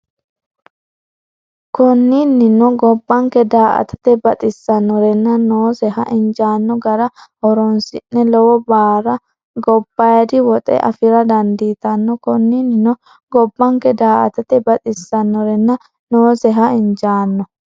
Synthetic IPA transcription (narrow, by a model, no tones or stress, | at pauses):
kɔnːinːɪnɔɡɔbːɐŋkɛd̪aːʔɐ̰t̪ɐ̥t̪ɛbɐt̪ʼɪsːɐnːɔɾɛnːɐnoːsɛɦɐʔɪɲd͡ʒaːnːɔɡɐɾɐhɔɾɔnsɪnːɛlɔwɔbaːɾɐ | ɡɔbːɐjɐd̪ɪwɔt̪ʼɛ̰ʔɐ̰fɪɾɐd̪ɐnd̪iːt̪ɐnːɔkɔnːinːɪnɔ | ɡɔbːɐŋkɛd̪aːʔɐ̰t̪ɐt̪ɛbɐt̪ʼɪsːɐnːɔɾɛnːɐ | noːsɛɦɐɪnd͡ʒaːnːɔ